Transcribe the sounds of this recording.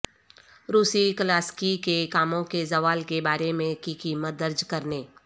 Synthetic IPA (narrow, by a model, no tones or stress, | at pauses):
ɾuːsikəlaːskikekaːmõkezɐʋaːlkebaːɾemẽkikiːmət̪̚d̪əɾd͡ʒkɐɾneː